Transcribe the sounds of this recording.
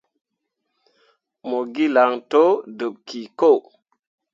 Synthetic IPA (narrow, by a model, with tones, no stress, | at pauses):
mo˨ɡi˦la˨ŋto˦də˨p̚ki˨ko˦˨